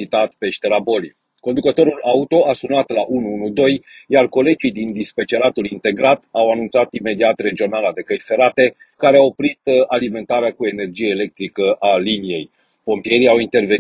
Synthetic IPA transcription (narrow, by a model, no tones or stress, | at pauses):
it̪at̪pe̞ʃt̪eɾabo̞li | ko̞nd̪ukət̪o̞ɾulʔaut̪o̞asunat̪laʔunuunud̪o̞jjarko̞le̞d͡ʒid̪ind̪ispet͡ʃe̞ɾat̪ulint̪e̞ɡɾat̪awanunt̪sat̪ime̞d̪iat̪re̞d͡ʒio̞nalad̪e̞kəjfe̞ɾat̪e̞ | kaɾeao̞pɾit̪alime̞nt̪aɾeakue̞ne̞rd͡ʒijeele̞k̚t̪ɾikəʔalinije̞j | po̞mpije̞ɾiawint̪e̞rve̞